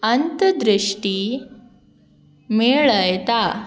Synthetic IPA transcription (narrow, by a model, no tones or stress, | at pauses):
ɐnt̪ɐd̪ɾiʂʈi | meːɭɐjt̪a